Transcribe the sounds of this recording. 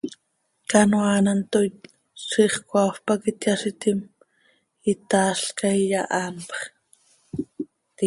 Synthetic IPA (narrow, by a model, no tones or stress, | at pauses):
kanwaːnant̪o | siχkwafpakit̪jasit̪im | it̪aːɬkajjaʔaːnpχ | t̪i